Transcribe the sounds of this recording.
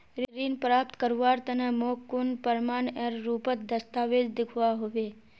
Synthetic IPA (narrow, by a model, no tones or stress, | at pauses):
ɾɾiːnpɾaːpt̪kəɾʋaːɾt̪ənəmoːkːʊnpəɾmaːneːɾːuːpət̪d̪əst̪aːʋeːd̪d̪ɪkʰwaɦoʋeː